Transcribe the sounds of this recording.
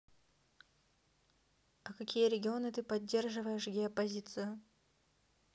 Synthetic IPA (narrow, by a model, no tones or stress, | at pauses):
ɐkɐkʲijəɾʲɪɡʲɪo̞nɨt̪ɨpɐdʲːerʐɨvəjɪʂɡʲɪɐpɐzʲit̪sɨjʊ